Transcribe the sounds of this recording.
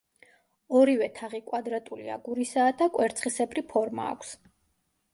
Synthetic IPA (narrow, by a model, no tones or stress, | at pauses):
ɔɾivɛt̪ʰaʁikʼwad̪ɾat̪ʼulia̰ɡuɾisaːd̪akʼwɛɾt̪sʰχisɛpɾipʰɔɾma̰ːkʷʰs